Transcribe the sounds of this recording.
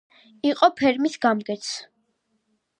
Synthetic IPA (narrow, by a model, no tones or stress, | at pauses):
iqʼɔpʰɛɾmisɡamɡɛt̪sʰ